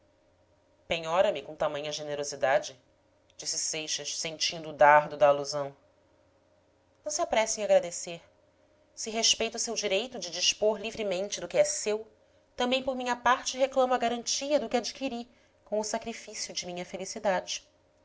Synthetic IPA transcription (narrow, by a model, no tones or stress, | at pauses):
pẽɲɔɾɐmɪkõt̪amɐ̃ɲɐʒeneɾozid̪ad͡ʒɪ | d͡ʒisɪsejʃɐʃsẽnt͡ʃĩnd̪ʊːd̪aɦd̪ʊd̪ɐːluzɐ̃w̃ | nɐ̃w̃siapɾɛsẽj̃aɡɾad̪eseɾ | sɪɦeʃpejt̪ʊsewd͡ʒiɾejt̪ʊd͡ʒɪd͡ʒiʃpoɾlivɾɪmẽnt͡ʃɪd̪ʊkɪɛsew | t̪ɐ̃mbẽj̃poɾmĩɲɐpaɾt͡ʃɪɦeklɐ̃mɐɡaɾɐ̃t͡ʃiɐd̪ʊkɪad͡ʒikiɾi | kõʊsakɾifisijʊd͡ʒɪmĩɲɐfelisid̪ad͡ʒɪ